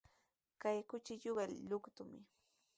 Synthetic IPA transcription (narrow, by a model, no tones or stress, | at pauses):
kajkʊt͡ʃɪʎoɢɑlʎʊkt̪ʊmɪ̰